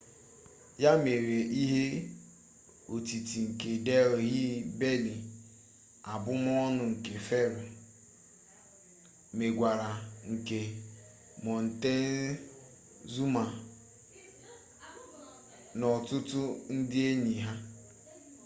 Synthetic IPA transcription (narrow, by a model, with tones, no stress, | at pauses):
ja˦me˨ɾe˨ʔi˦ɦe˦ | o˨ti˨ti˨ŋ̩˨ke˨de˦˨ɣi˦be˦li˨ | a˨bʊ˦m˦ɔ˦nʊ˨ŋ̩˨ke˨fe˦ɾʊ˨ | me˨ɡʷa˨ɾa˨ŋ̩˨ke˨ | mɔ˨n̩˨te˦ | zu˦ma˨ | nɔ˨tʊ˦tʊ˦n̩˦dɪ˦e˦ɲi˨ɦa˦